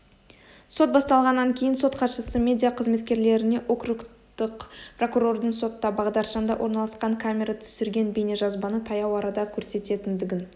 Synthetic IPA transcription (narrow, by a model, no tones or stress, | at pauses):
so̞t̪̚bɑst̪ɑlˠʁɑnːɑŋkʲʰejɪnso̞t̪qʰɑt̪ʃəsəmʲe̞d̪ijaqʰəzme̞t̪kʲe̞ɾle̞ɾɪne̞ʔo̞krukt̪əqpro̞kuro̞rd̪əɴso̞t̪ːɑbɑʁd̪ɑɾʃɑnd̪ɑwʔo̞ɾnɑlˠɑsqɑŋkʰamʲe̞ɾat̪ʰʏ̥sɪɾɡʲe̞nbe̞ne̞ʒɑzbɑnət̪ʰɑjɑwɑɾɑd̪ɑkʲʰɵɾse̞t̪e̞t̪ɪnd̪ɪɡʲɪn